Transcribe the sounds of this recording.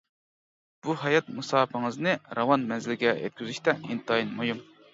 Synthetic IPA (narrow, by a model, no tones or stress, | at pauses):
b̥uɦɑjɑt̪̚musɑːpʰɨŋɨznɨɾɑwɑnmɛnzɪlɪɡʲɛjɛ̰t̪̚kʲyzyʃt̪ɛint̪ʰɑinmojum